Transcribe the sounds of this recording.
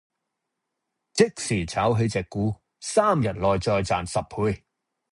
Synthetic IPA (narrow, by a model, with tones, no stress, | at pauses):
t͡sɪ˥k̚siː˨˩t͡sʰaː˨˥wɦɵ˧ɥt͡sɛː˨kːuː˨˥ | saː˥mjɐ˨t̚lɔː˨jt͡sɔː˧jt͡saː˨nsɐ˨p̚ʰuː˨˧j